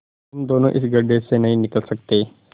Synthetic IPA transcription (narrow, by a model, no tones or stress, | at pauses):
ɦumd̪onoʔḭsɡəɖesenɐɦĩnikəlsəkt̪e